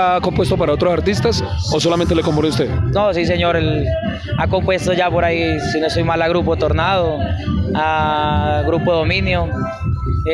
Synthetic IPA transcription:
akompwe̞st̪opaɾao̞t̪ɾosaɾt̪ist̪as | oso̞lamẽnt̪elekompoɾeust̪eðnosis̬e̞ɲoɾel | ako̞mpwe̞st̪oʝapoɾaisinosojmalaɣɾupot̪oɾnaðoa | ɣɾupoðomĩnjo

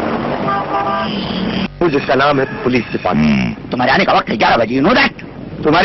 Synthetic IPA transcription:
ũd͡ʒɪskanaːmɦɛt̪upʊliːssɪpa̰ːkḭt̪ʊm̤aːɾeaːnekaʋɐq̚t̪ɦɛɡʲjaːɾabɐd͡ʒenũd̪a | t̪ʊm̤aːɾ

